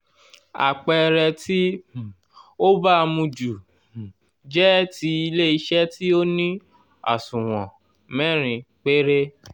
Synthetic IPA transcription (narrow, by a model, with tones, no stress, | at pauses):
a̰˨k͡pɛ˧ɾɛ˧ti˦ | o˦ba˦˧mũ˧d͡ʒu˨ | d͡ʒɛ˦ti˧i˧le˦i˧ʃɛ˦ti˦o˦nĩ˦ | a̰˨sũ˨w̃ɔ̃˨ | mɛ̃˦˨ɾ̃ĩ˧k͡pe˦ɾe˦